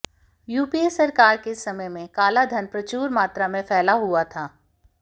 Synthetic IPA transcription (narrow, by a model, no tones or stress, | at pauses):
juːpiesɐɾkaːɾkesɐməjmẽkaːlad̪ʱɐnpɾɐt͡ʃuːɾmaːt̪ɾamẽfɛːlaɦuat̪ʰaː